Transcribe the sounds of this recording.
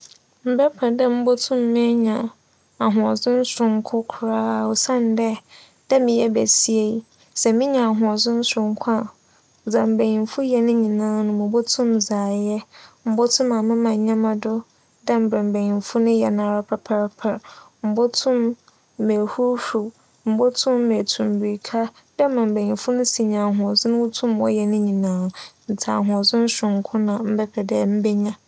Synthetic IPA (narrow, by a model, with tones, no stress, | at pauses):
m̩˨bɛ˦pʰɛ˨dɛ˦m̩˦bɔ˦tʰʊ̃˦mː˦ĩ˦ɲã˨ | a˨ɦʊ̃˨ɔ˨zʊ̃˦n̩˦sɾʊ̃˨ŋkʰʊ˦kʰʊ˨˦ɾaː˦˨ɔ˨sã˦n˦dɛ˦ | d̥ɛ˦mɪ̃˨jɛ˦bæ˨si˦e˦ | sɛ˨mĩ˦ɲã˨a˨ɦʊ̃˨ɔ˨zʊ̃˦n̩˦sɾʊ̃˨ŋkʰa˦˨ | d͡zã˨m̩˨be˨jĩ˨nfu˦jɛ˨nʊ̃˦ɲĩ˨nãː˦nʊ̃˨mʊ̃˨bo˦tʰʊ̃˦md͡zaː˨jɛ˦m̩˦bɔ˦tʰʊ̃˦ma˨mã˦mã˨ɲ˨ɲã˦mã˨dʊ˦ | dɛ˦m̩˨bɾɛ̃˨m̩˨be˨ɲĩ˨m˨fʊ˦nʊ̃˦jɛ˨nã˨ɾa˦pʰɛ˦pʰɛ˦ɾpʰɛ˨ɾ | m̩˦bɔ˦tʰʊ̃˦m˦ | me˨hu˦hu˨ | m̩˦bɔ˦tʰʊ̃˦mː˦ɛ˨tʰũ˨m˨bi˨ɾi˨kʰa˦ | d̥ɛ˦m˦mã˨m̩˨be˨ɲĩ˨fʊ˦nʊ̃˦si˨ɲã˨ɦʊ̃˨ɔ˨sʊ˦nʊ̃˦wʊ˦tʰũ˦mɔ̰˦jɛ˨nɪ̃˦ɲĩ˨nãː˦˨n̩˨tʰa̰˨ɦʊ̃˨ɔ˨zʊ˦n̩˦ɕʊ̃˨ŋ˨˦kʰʊ̃˦nã˨m̩˦bɛ˦pʰɛ˨dɛ˦m̩˦bɛ˦ɲã˦